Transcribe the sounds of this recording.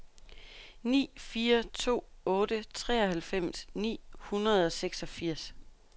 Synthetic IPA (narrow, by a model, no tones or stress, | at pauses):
nḭːfiːɐt͡sʰo̝̰ːɔ̽ːd̥ət͡sʰʁɛ̰ːɒ̽hælfem̰snḭːhunʁɐð̞ˠɒ̽seɡ̥sɒ̽fiɐ̰s